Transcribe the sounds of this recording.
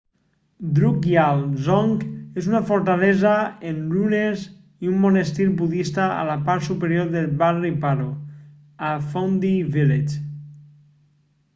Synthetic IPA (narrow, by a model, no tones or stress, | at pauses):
d̪ɾukjalzɔŋkezunafoɾt̪alɛzaenlunez | iumːonest̪ilbuðist̪aa̰lapaɾt̪supeɾjoɾðelβaripaɾo | afond̪ivilet͡ʃ